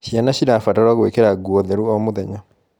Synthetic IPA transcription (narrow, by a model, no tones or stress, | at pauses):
ɕianaɕiɾafataɾwaɣwekeɾaɡwɔðɛɾuɔmoðɛɲa